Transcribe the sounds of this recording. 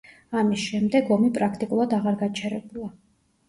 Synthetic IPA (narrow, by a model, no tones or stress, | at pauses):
amisʃɛmd̪ɛɡɔmipʼɾakʰt̪ʼikʼulˠad̪aʁaɾɡat͡ʃʰɛɾɛbulˠa